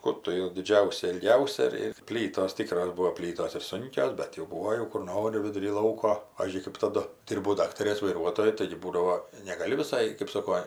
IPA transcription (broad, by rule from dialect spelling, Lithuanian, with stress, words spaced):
ˈkʊr tʊ jɛʊ dʲɪˈd͡ʒʲɛʊsʲɛ ɪlʲˈɡʲɛʊsʲɛ ɪr ɪr ˈpʲlʲiːtoːs ˈtʲiːkroːs ˈbuːoː ˈpʲlʲiːtoːs ɪr ˈsʊŋʲkʲoːs ˈbʲɛt jɛʊ ˈbuːoː jɛʊ kʊr ˈnoːrʲɪ ʋʲɪdʊˈrʲiː ˈlˠɐʊkoː ˈpɑːʋʲiːzʲd͡ʒʲʊɪ kɜp tɐˈdʊ ˈdʲɪrbɐʊ ˈdɑːktɐrʲeːs ʋɐɪˈruɔtoːjʊ tɐɪɡʲɪ ˈbuːdɐʋoː nʲɛɡɐˈlʲɪ ʋʲɪˈsɐɪ kɜp ˈsoːkoː